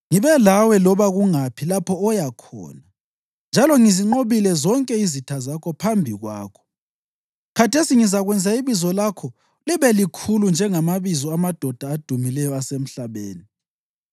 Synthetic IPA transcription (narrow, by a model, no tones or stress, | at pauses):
ŋiβɛlawɛlɔβaɣuŋapʰilapʰɔːjakʰɔ̰ːna | nd͡ʒʱalɔŋiziŋ͡ǃoβilɛzɔŋkʼɛizitʰazakʰɔpʰambʱiɣwa̰ːkʰɔ̥ | kʰatʰesiŋizaɣwɛnd͡zʱaiβizɔlakʰɔ | liβɛlikʰulund͡ʒʱɛŋamaβizɔamad̥ʱɔd̥ʱaːd̥ʱumilɛjɔasem̩ɬaβḛːni